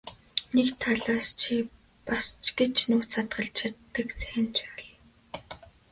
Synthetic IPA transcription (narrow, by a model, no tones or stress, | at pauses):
nekt̪ʰaɮaːst͡ɕʰi | past͡ɕɡet͡ɕnuːsat̪ɢə̆ɬt͡ɕʰat̪ːə̆kt͡sæxɪ̆nt͡ɕʰæːɮ